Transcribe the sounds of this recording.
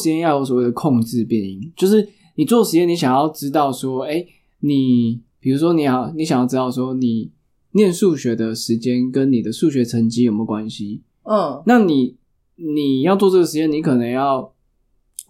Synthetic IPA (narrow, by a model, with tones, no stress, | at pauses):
ɻ̩˧t͡ɕjɛ˥njɑ˥˩ʊjo˧˥swɔ˨˩we˥˩d̪ə˩kʰɔ˥˧ŋʈ͡ʂɻ̩˥˧pjɛ˥˨˩ni˧˥˩ŋt͡ɕjo˥˧ʊʂɻ̩˥˩ | ni˨˩t͡swɔ˥˨ʂɻ̩˧˥t͡ɕjɛ˥ni˧˥ɕjɑ˨˩ŋjɑ˥˩ʊʈ͡ʂɻ̩˥t̪ɑ˥˩ʊʂwɔ˥e˥ɪ | ni˨˩pi˨˩ɻu˧˥ʂ̬wɔ˥ni˨˥ja˨˩ni˧˥ɕɑ˨˩ŋjɑ˥˩ʊʈ͡ʂɻ̩˥ɑ˥˩ʊʂ̬wɔ˥ni˨˩ | njɛ˥˧nʂu˥˩ɕɥɛ˧˥d̪ə˨ʂɻ̩˧˥t͡ɕjɛ˦nkə˦nni˨˩d̪ə˩ʂu˥˩ɕɥɛ˧˥t͡sʰə˧˥ŋt͡ɕi˥jo˨˩mə˥˦kwa˦nɕi˧˦˥ | na˥˨ni˨˩ | ni˨˩jɑ˥˧ʊt͡swɔ˥˧ʈ͡ʂə˥˩ɡə˩ʂɻ̩˧t͡ɕjɛ˥ni˧˦˥kʰɤ˨˩nə˧˦ŋjɑ˥˩ʊ